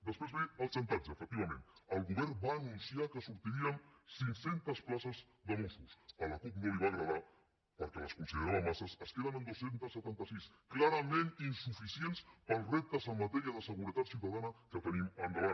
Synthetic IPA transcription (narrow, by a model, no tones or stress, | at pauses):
d̪əspɾezβeəlˠsɛnt̪anzəfək̚t̪iβəmẽnəlˠɣuβɛɾbaːnunsiakəsuɾt̪iɾiənsiŋsent̪əsplasəz | ðəmosusələkup̚noiβaɣɾəða | pəɾkɛləskunsiðeɾaðəmasəsəskeðənənd̪osent̪əsːət̪ant̪əsis | klaɾəmeninsufisienspəlˠrep̚t̪əzəmːət̪ɛɾiəðəsəɣuɾət̪at̪siuwt̪əðanəkət̪ənimənd̪əβa